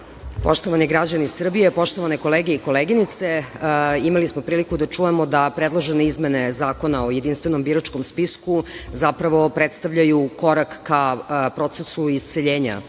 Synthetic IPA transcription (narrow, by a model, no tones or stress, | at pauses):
po̞ʂt̪oʋaniɡɾad͡ʑanisr̩bijepo̞ʃt̪oʋaneko̞leːɡeikoleːɡinit̪se | imalismo̞pɾiːlikud̪at͡ʂujemod̪apɾed̪lˠoʒeneizmene̞zaːko̞naojed̪inst̪ʋe̞nombiɾat͡ʃkomspiskuzapɾaʋo̞pɾet̪st̪avʎajuko̞ɾakːapɾo̞t̪sesuist̪seʎeːɲa̰